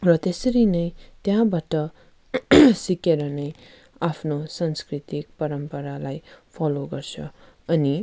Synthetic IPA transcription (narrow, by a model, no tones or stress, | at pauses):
rʌt̪esʌɾinʌjt̪jãbaʈʌ | sikeɾʌnʌj | apʰnosanskrit̪ik̚pʌɾʌmpʌɾalajpʰʌloɡʌrt͡sʰʌ | ʌni